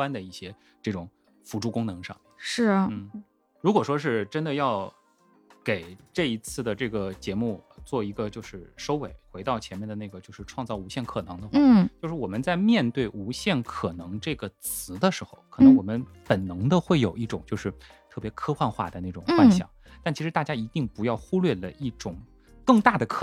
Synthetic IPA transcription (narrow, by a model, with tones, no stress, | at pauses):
a˥nd̪ə˨i˥˩ɕjɛ˥ | ʈ͡ʂɤ˥˩ʈ͡ʂʊ˨˩ŋ | fu˧˥ʈ͡ʂu˥˩kʊ˥ŋnɤ˧˥ŋʂɑ̰˥˩ŋʂɻ̩˥˩n̩˥˩ | ɻu˧˥kwɔ˨˩ʂwɔ˥ʂ̬ɻ̩˥˩ʈ͡ʂə˥nd̪ə˨jɑ˥˩ʊ | ke˨˩ɪʈ͡ʂɤ˥˩i˧˥t͡sʰɹ̩˥˩d̪ə˩ʈ͡ʂɤ˥˩ɡə˩t͡ɕjɛ˧˥mu˥˧˩t͡swɔ˥˩i˧˥ɡə˧t͡ɕjo˥˧ʊʂɻ̩˥˩ʂo˥ʊwe˨˩˦ɪxwe˧˥ɪt̪ɑ˥˩ʊt͡ɕʰjɛ˧˥nmjnd̪ə˩na˥˩ɡə˩t͡ɕjo˥˧ʊʂɻ̩˥˧ʈ͡ʂʰwɑ˥˧ŋt͡sɑ˥˩ʊu˧˥ɕjɛ˥˩nkʰɤ˨˩nɤ˧˥ŋd̪ə˧xwa˥˧t͡ɕjʂɻ̩˥˩wɔ˨˩mə˦nt͡sa˥˧ɪmjɛ˥˧nt̪we˥˩ɪʔu˧˥ɕjɛ˥˩nkʰɤ˨˩nɤ˧˥ŋʈ͡ʂɤ˥˩ɡə˩t͡sʰɹ̩˧˥d̪ə˧ʂɻ̩˧˥xo˥˧ʊkʰɤ˨˩nɤ˧˥ŋwɔ˨˩mə˦npə˨˩nnɤ˧˥ŋd̪ə˧xwe˥˩ɪjo˨˩ʊi˥˩ʈ͡ʂʊ˨˩ŋt͡ɕjo˥˧ʊʂɻ̩˥˧t̪ʰɤ˥˩pjɛ˧˥kʰɤ˥xwa˥˧nxwa̰˥˩d̪ə˩na˥˩ʈ͡ʂʊ˨˩ŋfwa˥˧nɕjɑ̰˨˩˦ŋt̪a˥˩nt͡ɕʰi˧˥ʂɻ̩˧˥t̪a˥˩t͡ɕja˥i˧˥t̪i˥˩ŋpu˧˥jɑ˥˩ʊxu˥lɥɛ˥˩lə̰˩ʔi˥˩ʈ͡ʂʊ˨˩ŋ | kɤ˥˧ŋt̪a˥˩d̪ə˩kʰ